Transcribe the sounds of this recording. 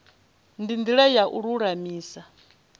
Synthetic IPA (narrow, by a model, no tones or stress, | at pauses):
ndindiɺɛjaʔuɺuɺamiːsa